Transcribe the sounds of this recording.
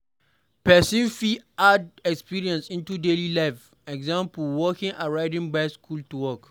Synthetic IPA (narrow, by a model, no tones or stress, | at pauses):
pɛsĩnfiadɛkspiɹiɛ̃nsĩntudelilaɪf | ɛɡzãmpulwɔkĩŋʔaɹaɪdĩŋbaɪskʰultuwɔk